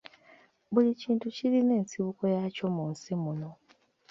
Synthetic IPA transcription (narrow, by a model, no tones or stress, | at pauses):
βuliciːntuciline̞ːnsiβuko̞jaco̞munsimuno̞